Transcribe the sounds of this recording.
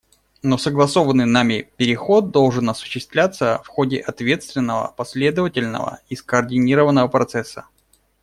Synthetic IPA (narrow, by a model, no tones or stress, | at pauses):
nosəɡlˠɐso̞vənːɨjnamʲɪpʲɪɾʲɪxo̞t̪̚d̪o̞lˠʐɨnɐsʊ̥ɕːɪst̪vlʲat̪səfxo̞dʲɪʔɐt̪vʲe̞t̪st̪vʲɪnːəvə̰pɐsʲlʲe̞d̪əvətʲɪlʲnə̰və̰iskəːrdʲɪnʲiɾəvənːəvəpɾɐt̪sɛsːə